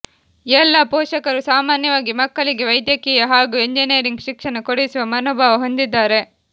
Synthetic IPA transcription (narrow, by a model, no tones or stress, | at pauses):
ɛlːɐpɔːʂɐkɐɾusaːmaːnjɐʋaːɡimɐkːɐɭiɡeʋɐjd̪jɐkiːjɐɦaːɡuːeɲd͡ʒinijɐɾiŋɡʃikʂɐnɐkoɽejisuʋɐmɐnoːbʱaːʋɐɦo̞nd̪id̪ːaːɾe̞